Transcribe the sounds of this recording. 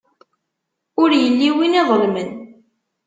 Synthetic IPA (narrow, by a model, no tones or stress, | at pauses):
ʊɾjəlːiwiniðˤəlmən